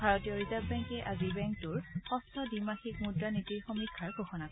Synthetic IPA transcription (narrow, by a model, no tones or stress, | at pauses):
bʱaɹɔtijɔɹizavbɛŋkɛʔazibɛŋktʊɹxɔstʰɔdimaxikmudɹanitiɹxɔmikʰːaɹɡʱoxɔnakɔ